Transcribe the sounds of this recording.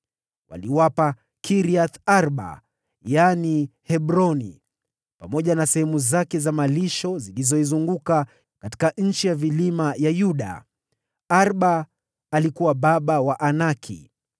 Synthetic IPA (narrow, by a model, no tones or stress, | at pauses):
wa̰liwapa | kiɾiaθaɾɓa̰ | janihɛɓɾɔnḭ | pamɔʄanasɛhɛmuzakɛzamaliʃɔzilizɔizuŋɡuka | kati̥kaɲ̩t͡ʃijavilimajajuɗa̰ | aɾɓaː | likuwaɓaɓawaʔanakʰḭ